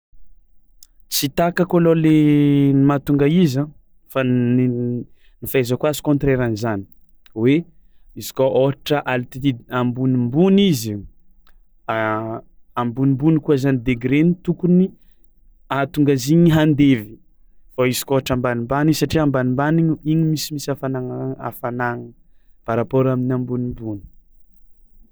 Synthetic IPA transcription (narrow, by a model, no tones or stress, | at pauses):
t͡sit̪akakololenimat̪uŋɡaizã | fani | nifezakuazi̥kõnt̪ɾeɾanizani̥ | we | izi̥koʔoɦaʈ͡ʂəʔalt̪iiambunimbunizi | ambunimbunikuazanid̪eɡɾenit̪ukuni | at̪uŋɡaziɲiɦand̪evi̥ | faizi̥koɦaʈ͡ʂambanimbanizsaʈ͡ʂiambanimbaniɲiiɲimisimisafanaŋaa̰fanaŋ | b̥aɾapoɾaminambunimbuni̥